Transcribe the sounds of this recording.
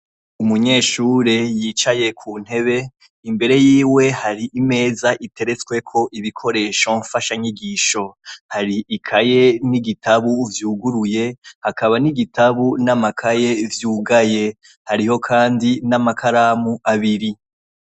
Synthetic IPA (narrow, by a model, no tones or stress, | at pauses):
umuɲe̞ːʃuːɾe̞jiːt͡ʃaje̞kʰuːn̥e̞βe̞ | imbe̞ɾe̞jiːwe̞haɾiʔime̞ːzaʔitʰe̞ɾe̞t͡skwe̞kʰo̞ʔiβikʰo̞ɾe̞ːʃoɱfaʃaɲiɡiːʃo̞haɾiʔikʰaje̞niɡitʰaβuvjuːɡuɾuje̞hakaβaniɡitaβunamakʰaje̞vjuːɡaje̞ | haɾiho̞kʰaːndinamakʰaɾamuʔaβiɾi